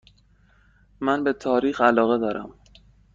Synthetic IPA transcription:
mænbe̞t̪ʰɒːɾiːxælɒːɣe̞d̪ɒːɾʔæ̰m

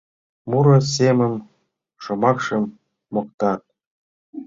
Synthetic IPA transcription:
muɾɤ̆semə̆m | ʃŏmɑkʃɤ̆mː | ŏk̚t̪ɑt̪̚

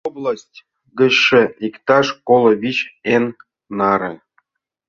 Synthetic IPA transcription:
oblˠasʲtʲ | ɡə̆ɕːɘ̆ikt̪ɑʂkolˠŏβʲit͡ɕenː | ɑɾḛ̆

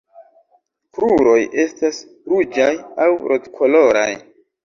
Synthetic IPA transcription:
kɾuɾo̞je̞stas | ɾud͡ʒajawɾʔo̞dkʰo̞lo̞ɾa̰j

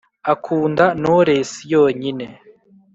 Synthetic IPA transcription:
akʰuːndanoɾe̞sijo̞ːɲine̞

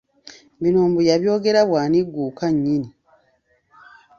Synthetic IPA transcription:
binoːmbujaβjo̞ːɡe̞ɾaβwaːniɡːuːkaɲːini

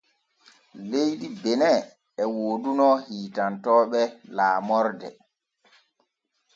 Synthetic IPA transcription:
lejdibɛnɛ | ɛwoːdunɔhiːtantɔːɓɛlaːmɔɾdɛ̰

